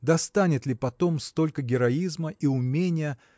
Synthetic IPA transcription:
d̪ɐst̪anʲɪt̪lʲɪpɐt̪o̞mst̪o̞lʲkəɡʲɪɾɐizməʔiʊmʲenʲɪjə

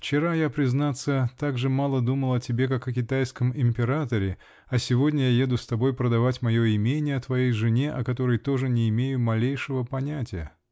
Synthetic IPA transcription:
ft͡ɕɪɾajapɾʲɪznat̪sːət̪aɡʐɨmalˠəd̪uməlˠɐtʲɪbʲe̞kakɐkʲɪt̪ajskəmɪmʲpʲɪɾat̪əɾʲɪ | ɐsʲɪvo̞dʲnʲəjaje̞d̪ʊst̪ɐbo̞jpɾəd̪ɐvatʲmɐjo̞ɪmʲenʲɪjəɐt̪vɐjejʐɨnʲe̞ʔɐkɐt̪o̞ɾəjt̪o̞ʐɨnʲɪɪmʲejʊmɐlʲejʂɨvəpɐnʲætʲɪjə̰

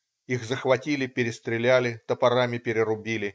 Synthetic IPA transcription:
ixzəxvɐtʲilʲɪpʲɪɾʲɪst̪ɾʲɪlʲælʲɪt̪əpɐɾamʲɪpʲɪɾʲɪɾʊbʲilʲɪ

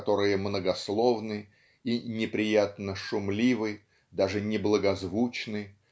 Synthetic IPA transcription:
t̪o̞ɾɨjəmnəɡɐslˠo̞vnɨ | inʲɪpɾʲɪjat̪nəʂʊmlʲivɨj | d̪aʐɨnʲɪblˠəɡɐzvut͡ɕnɨ

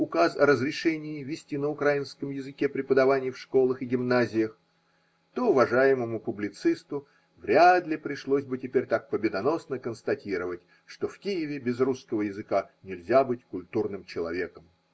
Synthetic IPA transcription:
ʊkasɐɾəzɾʲɪʂɛnʲɪɪvʲɪsʲtʲinəʊkɾajɪnskəmjɪzɨkʲepɾʲɪpəd̪ɐvanʲɪjfʂko̞lˠəxɪɡʲɪmnazʲɪjəx | t̪oʊvɐʐajɪməmʊpʊblʲɪt̪sɨst̪ʊ | vɾʲad̪lʲɪpɾʲɪʂlˠosʲbɨtʲɪpʲeɾʲt̪ak̚pəbʲɪd̪ɐno̞snəkənst̪ɐtʲiɾəvətʲ | ʂt̪o̞fkʲijɪvʲɪbʲɪzruskəvəjɪzɨkanʲɪlʲzʲabɨtʲkʊlʲt̪urnɨmt͡ɕɪlˠɐ̰vʲe̞kəm

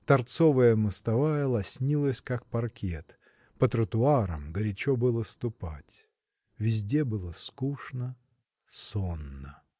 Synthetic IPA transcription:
t̪ɐrt̪sovəjəmɨst̪ɐvajəlˠɐsʲnʲilˠəsʲkakpɐrkʲet̪ | pət̪ɾət̪ʊaɾə̰mɡəɾʲɪt͡ɕobɨlˠəst̪ʊpatʲ | vʲɪzʲdʲe̞bɨlˠəskuʂnə | sonːə

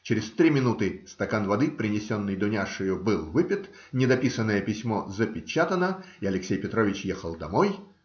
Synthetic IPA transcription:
t͡ɕɪɾʲɪst̪ɾʲimʲɪnut̪ɨst̪ɐkanvɐd̪ɨpɾʲɪnʲɪsʲo̞nːɨjd̪ʊnʲaʂɨjʊbɨlˠvɨpʲɪt̪ | nʲɪd̪ɐpʲisənːəjəpʲɪsʲmo̞zəpʲɪt͡ɕat̪ənə | iɐlʲɪksʲejpʲɪt̪ɾo̞vʲɪt͡ɕjexəlˠd̪ɐmoj

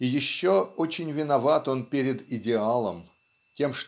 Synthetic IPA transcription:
ɪjɪɕːoot͡ɕɪnʲvʲɪnɐvat̪o̞npʲeɾʲɪd̪ɪdʲɪalˠə̰m | tʲe̞mʂt

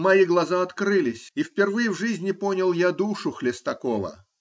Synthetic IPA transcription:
mɐiɡlˠɐzaɐt̪kɾɨlʲɪsʲifʲpʲɪrvɨjɪvʐɨzʲnʲɪponʲɪlˠjad̪uʂʊxlʲɪst̪ɐkolˠə̰

